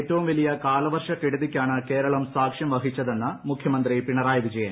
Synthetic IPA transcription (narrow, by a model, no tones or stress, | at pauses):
etːɐʋumʋɐlijɐkaːlɐʋɐrʂɐkiɽuðikʲːaːɳɨke̞ːɾɐɭɐmsaːkʂjɐmʋɐɦit͡ɕːɐðe̞nːɐmukʰjɐmɐnd̪ripiɳɐɾaːjʋid͡ʑɐjɐm